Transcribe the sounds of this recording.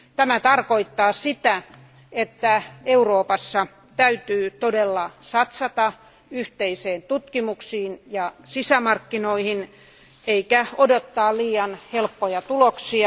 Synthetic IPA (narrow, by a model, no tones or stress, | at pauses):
t̪æmæt̪ɑrkoit̪ːɑːsit̪æ | et̪ːæeuroːpɑsːɑ | t̪æyt̪yːt̪odelːɑsɑt̪sɑt̪ɑ | yht̪eiseːnt̪ut̪kimuksiːnjɑsisæmɑrkːinoihin | eikæodot̪ːɑːliːɑnhelpːojɑt̪uloksiɑ